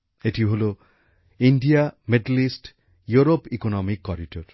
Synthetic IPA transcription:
eʈiɦolu | iɳɖijameɖlisʈ | juɾopikonɔmikːɔɾiʈoɾ

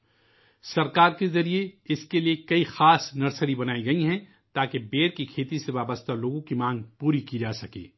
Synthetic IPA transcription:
sɐɾkaːɾkezɐɾieɪskeliekɐixaːsnɐɾsəɾibɐnaːiɡɐiɦɛ̃ | t̪aːkebeːɾkikʰeːt̪iseʋaːbəst̪ʰaloːɡõkimãːŋɡpuːɾikid͡ʒaːsɐkḛː

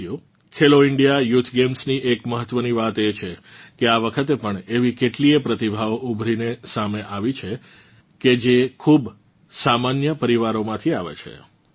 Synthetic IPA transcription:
ju | kʰeloɪɳɖijajut̪ʰɡemsniʔekməɦət̪ːʋəniʋat̪et͡ʃʰekeaʋəkʰət̪epəɳeʋikeʈliepɾət̪ibʱaʋoʔubʱɾinesameʔaʋit͡ʃʰe | ked͡ʒekʰub | samanjəpəɾiʋaɾomãt̪ʰiaʋḛt͡ʃʰḛ

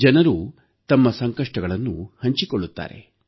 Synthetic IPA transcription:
d͡ʒɐnɐɾu | t̪ɐmːɐsɐŋkɐʂʈɐɡɐɭɐnːṵhɐɲt͡ʃikoɭːut̪ːa̰ːɾe̞̰

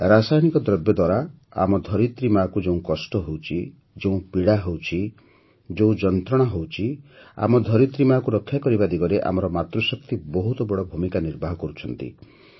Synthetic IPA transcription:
ɾasajñikɔd̪ɾɔbjɔd̪waɾa | a̰mɔd̪ʱɔɾit̪ɾimakud͡ʒeũkɔsʈɔɦowt͡ʃʰi | d͡ʒeũpiɽaɦewt͡ʃʰi | d͡ʒeũd͡ʒɔnt̪ɾɔɽ̃ɔɦowt͡ʃʰia̰mɔd̪ʱɔɾit̪ɾimakuɾɔkʰːjakɔɾibad̪iɡɔɾeʔa̰mɔɾɔmat̪ɾɔsɔkt̪ibɔɦut̪ɔbɔɽɔbʱumikaniɾbʱaɦɔkɔɾut͡ʃʰɔnt̪ḭ

